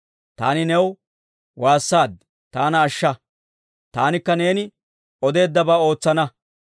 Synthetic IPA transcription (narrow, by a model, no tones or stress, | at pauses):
t̪a̰ːnɪnɛw | waːsːaːd̪ | t̪aːnɐːʃːɐ | t̪aːnɪkːɐne̞ːnɪ | ɔd̪e̞ːd̪ːɐbaːo̞ːt͡sːɐnɐ